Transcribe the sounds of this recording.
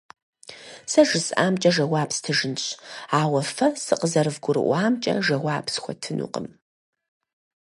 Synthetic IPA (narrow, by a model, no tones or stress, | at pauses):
sɐʒɨsa̰ːmt͡ʃʼɐʒɐwaːpstʰɨʒɨnɕʼaːwɐfɐsɨqəzɐrɨvɡʷʊɾɨ̰ʔʷaːmt͡ʃʼɐ̰ʒɐwaːpsxʷɔ̰tʰɨnṵːqə̰m